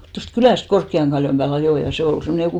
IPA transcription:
tost kylæˑst korkːiɑŋ ɡ̊ɑljom b̥æːl ɑjoˑ jɑ se ol semːone jokuˑ

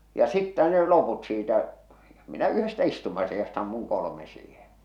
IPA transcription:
jɑ sitːæ ne loput siːtæ minæ yhestæ istumɑsijɑst ɑmːuŋ kolome siːhen̞

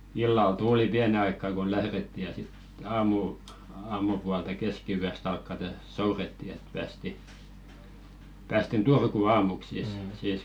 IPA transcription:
ilːɑl tuːli piæne ɑikːɑ ku læhretːi jɑ sit ɑːmu ɑːmupuɑltɑ keskiyæst ɑlkːɑte souretːi et pæːsti pæːstin turkuˑ ɑːmuk siːs siːs

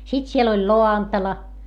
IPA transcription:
sit siel olʲ loɑntɑlɑ

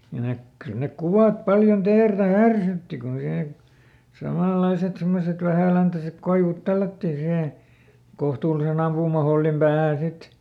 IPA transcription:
kyl nek kyl nek kuʋɑˑt pɑljon teːrtæ hærsytːi ku sihe sɑmɑˑlːɑiset semːoset ʋæhæˑlæntæsek koiʋut tælːætːiː siheˑ kohtuːlisen ɑmpuːmɑholːim pæːhæˑn sit

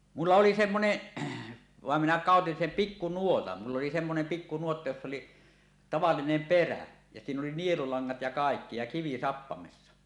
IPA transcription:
mulːɑ oli semːoneʔ ʋɑˑem minæ kɑˑotin sem pikːunuotɑn mulː oli semːonem pikːunuotːɑ josː oli tɑʋɑlːinem peræ jɑ siːn oli nielulɑŋːɑt jɑ kɑˑekːi jɑ kiʋi sɑpːɑmesːɑ

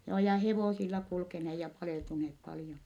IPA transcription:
joː jɑ heʋoˑsilːɑ kulkeneː jɑ pɑleˑltuneːp pɑljon

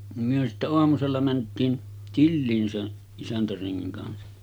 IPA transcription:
nim myø sitːæ oɑmuselːɑ mæntˑiːn tilːiːn sen isæntæreŋːiŋ kɑnsɑ

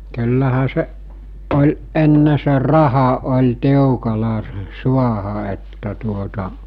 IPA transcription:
ky̞lːæhæ seʔ ʔol ʔenːe se rɑhɑ ʔolʲ tiukɑlɑ se̥ suɑhɑ etːæ tuotɑ

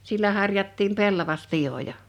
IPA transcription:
silːæ hɑrjɑtːiːm pelːɑʋɑspij̆ojɑ

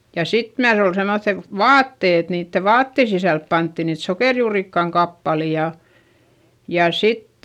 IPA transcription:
jɑ sit myæs ol semoθːe ʋɑːtːe et niːtːe ʋɑːtːe sisælp pɑntːi niːt sokeˑrjuːrikːɑŋ kɑpːɑli jɑ jɑ sit

